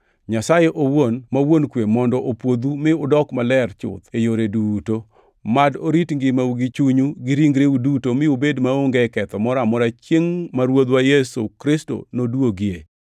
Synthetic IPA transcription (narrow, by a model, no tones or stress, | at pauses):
ɲasajeʔowonmawonkwemɔndɔʔopwod̪umɪʊdɔkmalɛɾt͡ʃʊ̰t̪ejoɾeduto | madoɾitŋɡɪmauɡɪt͡ʃuɲuɡɪɾiŋɡɾeudutomɪubedmaoŋɡɛkɛt̪ɔmɔɾamɔɾat͡ʃjeŋmaɾwod̪wajesukɾɪsto̰nodwoɡɪe